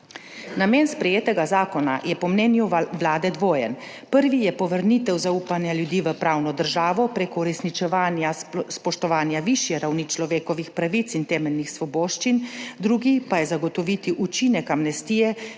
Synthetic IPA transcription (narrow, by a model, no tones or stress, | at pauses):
nameːnspɾɛjeːt̪ɛɡazaːkɔna̰jɛpɔmnɛːnjuʋlaːd̪ɛd̪ʋoːjɛn | pəɾʋijɛpɔʋəɾnit̪ɛwzauːpanjaljud̪iːʋəpɾaːwnɔd̪əɾʒaːʋɔpɾeːkɔuɾɛsnit͡ʃɛʋaːnjaspɔʃt̪ɔʋaːnjaʋiʃjɛɾawnit͡ʃlɔʋeːkɔʋixpɾaʋit̪sint̪ɛːmɛlnixsʋɔboːʃt͡ʃind̪ɾuːɡipajɛzaɡɔt̪ɔʋit̪iʔut͡ʃinɛkamnɛst̪iːjɛ